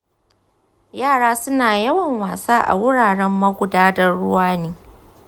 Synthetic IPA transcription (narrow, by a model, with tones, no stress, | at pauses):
jaː˦˨ɽaː˦sʊ˦naː˨jɐ˦wɐ˨ŋwaː˨saː˦ʔa̰˨wʊ˦ɽaː˨ɽɛ˦mːɐ˦ɡʷʊ˨daː˦dɐ˦ɽʊ˦waː˦neː˦